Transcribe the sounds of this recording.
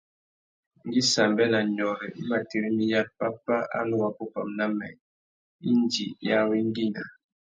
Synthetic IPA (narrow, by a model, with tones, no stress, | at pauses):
ŋ˦ɡi˦sa˨mbɛ˦na˨ɲɔ˨ɾɛ˨i˦ma˨ti˦ɾi˦mi˦ja˦t̚pa˦pa˦ʔa̰˦nu˦wa˦po˦pa̰˨mna˦mɛ̰˨ | i˦n˦d͡ʒi˨ja˦wi˦ŋ˦ɡi˦na˨